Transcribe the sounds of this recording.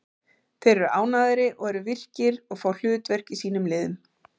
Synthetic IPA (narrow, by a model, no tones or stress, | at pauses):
θejɾɛɾʏʔaːwnaðɪɾɪʔɔɣɛɾʏvɪr̥cɪɾɔɣfaːwl̥ʏːt̪vɛr̥kisiːnʏmlɪːðʏm